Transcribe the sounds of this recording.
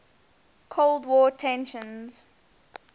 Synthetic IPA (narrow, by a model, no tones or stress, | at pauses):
kʰoʊlˠdwɔːtʰɛ̃nʃə̃nz̥